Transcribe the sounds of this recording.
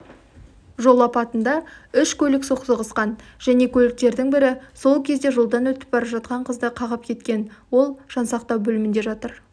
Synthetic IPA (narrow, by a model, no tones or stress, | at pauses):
ʒo̞lˠɑpɑt̪ənd̪ɑʏʃkʲʰɵlɪksoqsəʁəsqɑnʒ̥æne̞kʲʰɵlɪk̚t̪e̞ɾd̪ɪŋbɪɾɪso̞lˠkʲʰe̞zd̪e̞ʒo̞lˠd̪ɑnwɵt̪ɪ̥p̚bɑɾɑʒɑt̪̚qɑɴqʰəzd̪əqʰɑʁəp̚kʲʰe̞t̪kʲe̞nwo̞lˠʒ̥ɑnsɑqt̪ɑwbɵlɪmɪnd̪e̞ʒɑt̪əɾ